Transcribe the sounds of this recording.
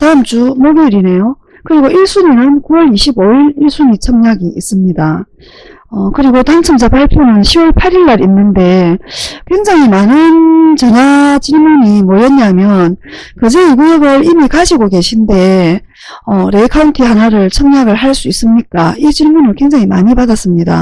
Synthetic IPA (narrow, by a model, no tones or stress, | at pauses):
tamt͡ɕumoɡiɾine̞jo | kɯɾiɡoʔiɭs͈uɲinɯnkuwʌɾiɕʰiboiɾiɭs͈uɲit͡ɕʰʌŋɲaɡiis͈ɯmɲida | ʌkɯɾiɡotaŋt͡ɕʰʌmsʰapaɭpʰjonɯnɕʰiwʌɭpʰaɾiɭːaɾinːɯnde̞ | kwe̞ŋd͡ʑaŋimanɯnt͡ɕʌɲat͡ɕinmuɲimwʌʌɲːamjʌnkɯd͡ʑeiɡujʌɡɯɾimikaɕʰiɡoke̞ɕʰinde̞ | ʌɾe̞kʰauntʰiɦanaɾɯɭt͡ɕʰʌŋɲaɡɯɭɦaɭs͈uis͈ɯmɲik͈ait͡ɕimunɯɭkweŋd͡ʑaŋimaɲipadas͈ɯmɲida̰